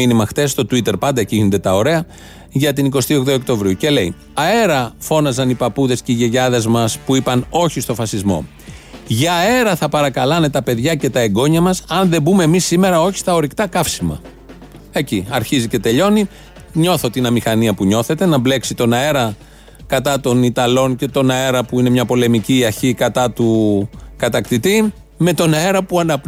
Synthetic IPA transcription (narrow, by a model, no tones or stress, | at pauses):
inimɐxtθe̞sːt̪o̞t̪uit̪e̞ɾpɐnd̪ɐciɣnond̪e̞t̪ɐo̞ɾe̞ɐ | ʝɐt̪iniko̞st̪io̞ɣðookt̪o̞vɾiuce̞le̞i | ɐe̞ɾɐfo̞nɐzɐnipɐpuðe̞sce̞iʝe̞ʝɐðe̞zmɐspuipɐno̞çist̪o̞fɐsizmo̞̰ | ʝɐːe̞ɾɐθɐpɐɾɐkɐlɐne̞t̪ɐpe̞ðʝɐce̞t̪ɐe̞ɡo̞ɲɐmɐsɐnðe̞bume̞ːmisːime̞ɾɐo̞çi̥st̪ɐo̞ɾikt̪ɐkɐfsimɐ̰ | e̞ciɐɾçizice̞t̪e̞ʎo̞ni | ɲo̞θo̞t̪inɐmixɐniɐpuɲo̞θe̞t̪e̞nɐble̞ksit̪o̞nɐe̞ɾɐ | kɐt̪ɐt̪o̞nit̪ɐlo̞nce̞t̪o̞nɐe̞ɾɐpuine̞mɲɐpo̞le̞miciɐɾçikɐt̪ɐt̪ukɐt̪ɐkt̪it̪i | me̞t̪o̞nɐe̞ɾɐpuɐnɐp